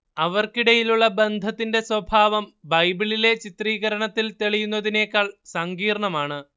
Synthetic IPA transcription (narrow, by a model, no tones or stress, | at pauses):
ɐʋɐrkiɽɐjiluɭːɐbe̞nd̪ʱɐt̪ːinde̞swɐbʱaːʋɐmbɐjbiɭile̞t͡ɕit̪riːɣɐɾɐɳɐt̪ːilt̪eɭijunːɐðine̞ːkːaːɭsɐŋɡiːrɳɐmaːɳɨ